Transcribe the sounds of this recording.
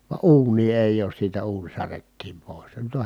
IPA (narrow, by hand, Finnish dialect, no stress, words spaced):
ʋɑ uːnˑiː eˑij oːs siːtæ uːnʲ særetːiːm poˑis jɑ nyt o